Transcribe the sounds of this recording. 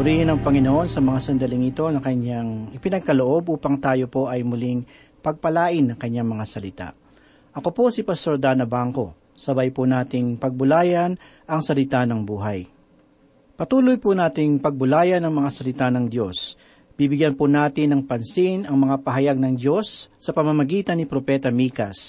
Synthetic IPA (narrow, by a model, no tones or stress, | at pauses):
ʊɾiːɪnɐŋpɐŋɪnoʔo̞nsɐmɐŋasɐnd̪ɐlɪŋɪt̪o̞nɐkɐɲaŋʔɪpɪnɐɡ̚kɐloʔo̞bʔuːpɐŋt̪aːjo̞po̞ʔɐjmʊliŋ | pɐɡ̚pɐlaːʔɪnːɐŋkɐɲːaŋmɐŋasɐlɪt̪a̰ʔ | ʔɐko̞po̞sɪpɐst̪o̞ɾd̪anɐbaŋko̞ | sɐbajpʊnaːt̪ɪŋpɐɡ̚bʊlaːjɐn | ʔɐŋsɐlɪt̪anɐŋbuːɦaj | pɐt̪uːlojpʊnaːt̪ɪŋpɐɡ̚bʊlaːjɐnɐŋmɐŋasɐlɪt̪anɐŋd̪jo̞s | b̥ibɪɡjanpʊnaːt̪ɪnːɐŋpɐnsɪnʔɐŋmɐŋapɐɦɐjaɡ̚nɐŋdo̞sːɐpɐmɐmɐɡiːt̪ɐnːɪpɾo̞pɛt̪ɐmiːkɐs